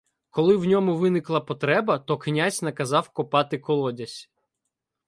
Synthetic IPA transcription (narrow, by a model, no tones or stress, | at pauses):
kɔlˠɪwnʲɔmʊʋɪnɪklˠɐpɔt̪ɾɛbɐt̪ɔknʲazʲnɐkɐzɑwkɔpɑt̪ɪkɔlˠɔdʲɐsʲ